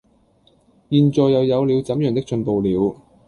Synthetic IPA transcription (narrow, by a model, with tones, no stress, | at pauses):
jiː˨˧nt͡sɔː˨˧jːɐ˨˧wjɐ˨˧wliː˨˧wt͡sɐ˨˥mjœː˨˩ŋt̪ɪ˥k̚t͡ʃɵ˧npo˨wliː˨˧w